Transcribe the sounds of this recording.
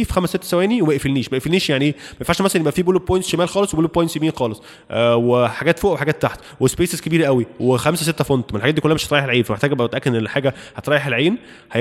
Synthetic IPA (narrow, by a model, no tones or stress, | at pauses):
fxæmæsːet̪ːæsæwæːniwemæʔefelniːʃmæʔefelniːʃjaʕniʔeːmæmenfaʕʃmæsælænjebʔæfiːboleb̚pːojent̪sʃemæːlxɑːleswebolːb̚pːojent̪sjebiːnxɑːlesˤ | ʔweħaɡæːt̪foːʔæweħaɡæːt̪ːaħt̪ | wespeːseskebiːɾʔæwiwexæmsæset̪ːæfont̪melħɡæt̪d̪ikolːæmeʃhæt̪ɾˤɑjeħelʕiːnfæmeħt̪æɡbʔt̪ʔækːeħaːɡæhæt̪ɾˤɑːjeħelʕiːn | hæ